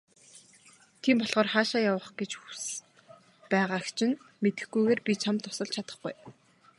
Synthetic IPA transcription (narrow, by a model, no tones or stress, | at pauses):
t̪ʰiːmpɔɮʁɔːrχaːʃaːjawə̆χɡet͡ɕxu̥s | pæːʁaːkt͡ɕʰɪ̆n | met̪ɘ̆xɡujɣeːrpʲit͡ɕʰamt̪ːʊ̥sə̆ɮt͡ɕʰat̪ə̥̆χɡuj